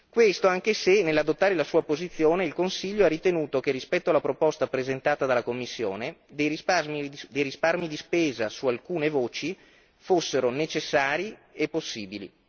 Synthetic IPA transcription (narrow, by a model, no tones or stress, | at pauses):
kwest̪oaŋk̟esenelːad̪ot̪ːaːɾelasuːapozit̪sːjoːneilkonsiʎːoarit̪enuːt̪ok̟erːispɛt̪ːoalːapɾopɔst̪apɾezent̪aːt̪ad̪alakomːisːjo̰ːned̪ejɾisamid̪ejrisparmid̪ispeːzasualkuːnevoːt͡ʃi | fosːeɾonet͡ʃesːaːɾiepːosːiːbilḭ